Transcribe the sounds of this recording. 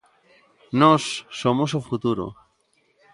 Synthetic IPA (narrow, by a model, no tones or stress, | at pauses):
nɔsːomosofut̪uɾo̰